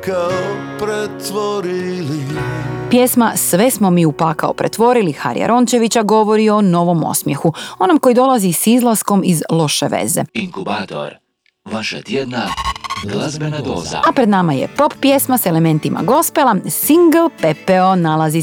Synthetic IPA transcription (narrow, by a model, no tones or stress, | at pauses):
kao | pɾet̪ʋoɾilipjesmasʋe̞smo̞miːupakao̰pɾḛt̪ʋo̞ɾilixa̰ɾja̰ɾʔo̞nt͡ɕe̞ʋit͡ɕaɡo̞ʋo̞ɾio̞no̞ʋo̞mo̰smjexuo̞nomko̞jid̪o̞lˠazisizlˠasko̞mizlˠo̞ʃeʋḛze̞̰iŋkubat̪o̰ɾ | ʋaʃa̰t̪jed̪naɡlˠazbenad̪oːza̰apɾed̪namajḛpo̞ppje̞smasele̞mẽ̞nt̪imʔa̰ɡo̞spelˠasiŋɡlpepeonalazi